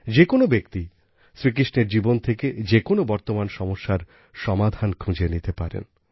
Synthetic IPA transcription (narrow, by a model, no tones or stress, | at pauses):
d͡ʑekonobekt̪i | sɾik̬ɾiʃneɾd͡ʑibont̪ʰeked͡ʑekonobɔɾt̪omanʃɔmoʃːaɾ | ʃɔmad̪ʱankʰũd͡ʑʱenit̪epaɾḛn